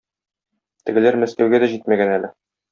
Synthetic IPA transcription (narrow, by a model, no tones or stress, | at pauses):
t̪ɘ̆ɡɘ̆læɾmæskæwɡæd̪æʑit̪mæɡænælɘ